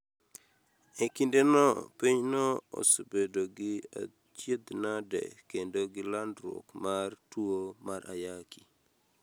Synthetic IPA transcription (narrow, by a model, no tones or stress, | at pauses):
ekindenɔpiɲnɔo̰sobedoɡɪa̰ | t͡ʃjed̪nadɛ̰kendoɡɪlandɾo̰kmartwomaɾa̰jakʰi̥